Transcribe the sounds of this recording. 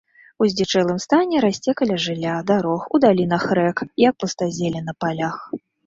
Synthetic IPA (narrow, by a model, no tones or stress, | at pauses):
uzʲd͡zʲɛt͡ʂɛlˠɨmst̪anʲɛɾasʲt͡sʲɛkɐlʲɐʐɨlʲːad̪aɾɔxud̪alʲinɐxɾɛkjɐk̚pɨst̪azʲelʲɛnɐpalʲax